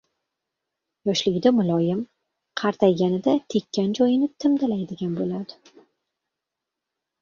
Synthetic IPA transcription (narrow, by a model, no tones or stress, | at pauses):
jɒʃlɪɡʲɪd̪amʊlˠɒjɪm | qʰɑɾt̪ʰajɡʲanɪd̪at̪ʰe̞kʲːand͡ʒɒjɪnɪt̪ʰɪmd̪alajd̪ɪɡʲanbolad̪ɪ